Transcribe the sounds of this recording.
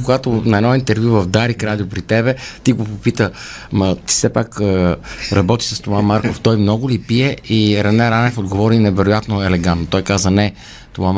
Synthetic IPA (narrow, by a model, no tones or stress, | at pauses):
koɡat̪onɐɛnɔint̪ɛɾvjuvɐvd̪aɾikɾad̪ʲiopɾit̪ɛbɛt̪iɡopopit̪ə | mɐt̪i̥sɛpakəɾɐbɔt̪i̥səst̪ovamaɾkoft̪ɔjmnɔɡʊlipiɛiɾɛnɛɾanɛfod̪̚ɡovɔɾinɛvɛɾojat̪noɛlɛɡant̪not̪ɔjkazənɛ | t̪ovam